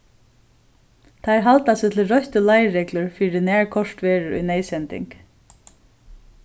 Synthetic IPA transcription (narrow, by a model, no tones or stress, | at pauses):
t̪ʰajɾɦalt̪asɪːt̪ʰɪlɾœçt̪əlajɾɛklʊɹfiːɾɪnæːɹkʰɔʂt̪ʋeːɹɪṵjnɛːjsɛnt̪ɪ̰ŋk